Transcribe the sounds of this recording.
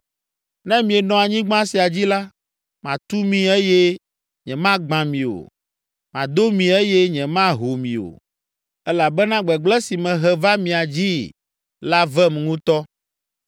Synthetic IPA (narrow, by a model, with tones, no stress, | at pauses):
nɛ̃˦mĩ˨ɛ˨nɔ̃˨a˨ɲĩ˦ɡ͡bã˦si˨a˨d͡ʑi˦la˦ | mã˨t̪u˦mĩ˨ɛ˦jɛ˦ | ɲɛ̃˨mã˦ɡ͡bã˨mĩ˨o̰˨ | mã˨d̪o˦mĩ˨ɛ˦jɛ˦ɲɛ̃˨mã˦ɦo˨mĩ˨o̰˨ | ɛ˦la˨bɛ˦nã˦ɡ͡bɛ˨ɡ͡blɛ˦si˨mɛ̃˨ɦɛ˨va˦mĩ˨a˨d͡ʑi˦ | la˦vɛ˦m˨ŋũ˦t̪ɔ˦